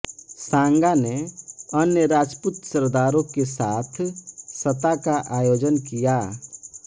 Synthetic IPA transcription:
sãːŋɡaneənjəɾaːd͡ʒpʊt̪səɾd̪aːɾõkesaːt̪ʰsət̪akaʔaːjoːd͡ʒənkijaː

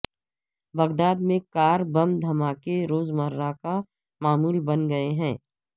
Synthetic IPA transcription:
bɐɣd̪aːd̪mẽkaːɾbɐmd̪ʱɐmaːkeɾoːzməɾːaka | maːmuːlbɐnɡɐeɦɛ̃ː

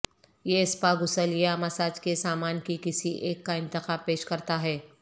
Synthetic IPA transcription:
jeɪspaːɡʊsəlijamɐsaːd͡ʒkesaːmaːnkikɪsiʔeːkːaɪ̃nt̪ɪxaːbpeːʃkɐɾt̪aɦɛː

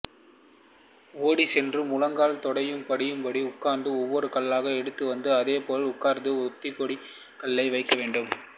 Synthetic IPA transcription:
oːɽisɛndrɯmʊɻɐŋɡaːlt̪ɔɽɐjɯmpɐɽɪjɯmpɐɽiʊkːaːɾnd̪ɯɔʋːɔɾɯkɐɭːaːɣɐɛɽɯt̪ːɯʋɐnd̪ɯɐðeːpoːlʊkːaːɾnd̪ɯɔt̪ːɪkːɔɽi | kɐɭːɐɪʋɐɪkːɐʋeːɳɖɯm

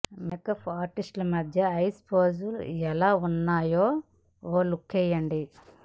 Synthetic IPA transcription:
mekɐpʰaːɾʈisʈlɐmɐd̪ʱjɐɐjspʰoːzuluɛlaːunːaːjoː | oːlukʰːɛjɐɳɖi

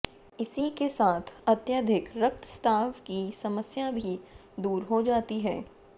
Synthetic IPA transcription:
ɪsikesaːt̪ʰɐt̪jaːd̪ʱɪkɾək̚t̪st̪ʰaːʋkisɐməsjabʱi | d̪uːɾɦod͡ʒaːt̪iɦɛː

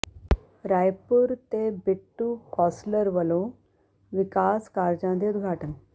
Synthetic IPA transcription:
ɾajpuɾt̪eːbiʈːukɔːslɐɾʋɐloː | ʋikaːskaːɾd͡ʒaːnd̪iud̪̚ɡʱaːʈɐnɐ

